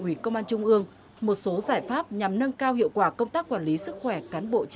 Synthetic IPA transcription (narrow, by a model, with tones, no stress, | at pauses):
ʔwi˧˩kə˧wŋ͡mʔaː˧nt͡ɕʊ˧ŋ͡mʔɨ˧əŋ | mo˨˩t̚so˨˦zaː˧˩jfaː˦˥p̚ɲa˨˩mnə˧nkaː˧whḭ˧˨əwkwaː˧˩kə˧wŋ͡mt̪aː˦˥k̚ːwaː˧˩nli˨˦sɨ˦˥k̚xwɛ˧˩kaː˨˦nɓo̰˧˨t͡ɕ